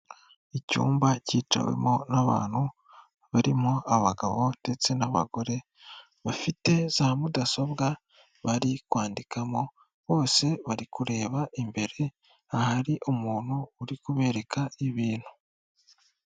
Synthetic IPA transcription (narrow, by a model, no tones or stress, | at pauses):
icṵːmbaciːt͡ʃa̰wḛmo̞naβa̰ːn̥hu | βaɾimo̞aβaɡaβo̞d̥e̞t͡se̞naβa̰ɡo̞ɾe̞ | βafite̞zahamudaso̞bɡa | βaɾikwaːndikʰamo̞ | βo̞ːse̞βaɾikuɾe̞ːβaʔimbe̞ɾe̞ | ahaɾiʔumuːn̥huːɾikuβe̞ɾe̞kʰaiβiːn̥hu̥